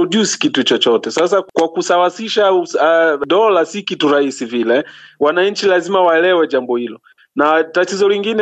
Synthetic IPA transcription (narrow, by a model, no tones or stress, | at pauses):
ʄusi̥kitut͡ʃɔt͡ʃɔtɛsas̬akwakusawasiʃa | ɗɔlasikituɾahisivilɛwanaɲ̩t͡ʃilazimawaɛlɛwɛʄambɔhilɔ | natatizɔliŋɡin